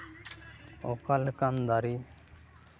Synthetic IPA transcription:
okalkand̪aɾi

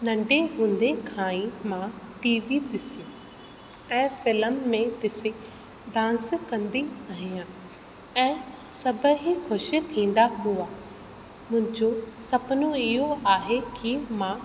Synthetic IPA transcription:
nɐ̃ɳɖeɦʊ̃ːnd̪ekʰãːĩmãːʈiːʋid̪ɪsi | ɛ̃ːfɪləmːẽt̪ɪsẽ | ɖãːnskɐ̃nd̪iaɦijãː | ɛ̃ːsɐbəɦikʰʊʃit̪ʰĩːn̆d̪aɦua | mʊ̃ɦɪ̃ɲd͡ʑosɐbnoɪɦoaːɦekimãː

